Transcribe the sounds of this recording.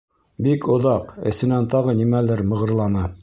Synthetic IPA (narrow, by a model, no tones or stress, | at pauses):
bikŏðɑqɘ̰̆sɘ̆nænt̪ɑʁɤnimælɘɾmɤ̆ʁɤ̆ɾlˠɑnɑ